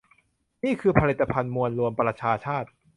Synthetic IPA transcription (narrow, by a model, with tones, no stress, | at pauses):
niː˥˩kʰɯː˧pʰa˧li˨˩t̪ːa˧pʰa˧nmu˧ənɾu˧əmpɾa˧t͡ɕʰaː˧t͡ɕʰaː˥˩t̪̚